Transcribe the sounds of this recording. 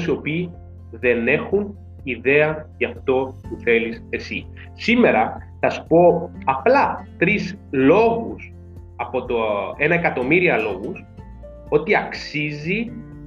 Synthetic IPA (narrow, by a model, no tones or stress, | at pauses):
sio̞piː | ðe̞ne̞xun | iðe̞ɐʝɐft̪o̞puθe̞lise̞si | sime̞ɾɐθɐspo̞ɐplɐt̪ɾislo̞ɣus | ɐpo̞t̪oe̞nɐekɐt̪o̞miɾiɐlo̞ɣus | o̞t̪iɐksizi